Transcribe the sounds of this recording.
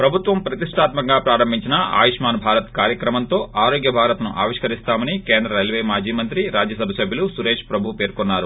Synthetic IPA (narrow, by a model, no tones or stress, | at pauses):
pɾɐbʱut̪ʋɐmpɾɐt̪iʂʈʰaːt̪mɐŋɡaːpɾaːɾɐmbʱiɲt͡ʃinɐa̰ːjiʂmaːnbʱaːɾɐt̪kaːɾjɐkɾɐmɐnt̪o̞ːʔaːɾoːɡjɐbʱaːɾɐt̪nuʔaːʋiʂkɐɾist̪aːmɐnikeːnd̪ɾɐɾelʋeːmaːd͡ʒiːmɐnt̪ɾiɾaːd͡ʒjɐsɐbʱɐsɐbʱjɐlusuɾeːʂpɾɐbʱupeːɾkɔnːaːɾu